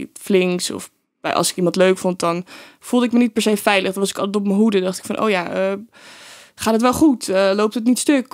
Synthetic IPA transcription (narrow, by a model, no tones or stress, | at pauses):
flɪŋksɔ̰f | bɛ̰jʔɑ̰lˠsɪ̥kimɑntløɥkfɔnt̚dɑn | fulˠdəɪkmənit̚pɛɹsejfɛjləχdɔtʋɑsɪkɑlˠtɛt̬ɔp̬̚məɦudədɑχtɪkfɑnʔo̰wjaːʔə | χaːtɦətʋɛlˠχutəlowp̚tət̬nitstøk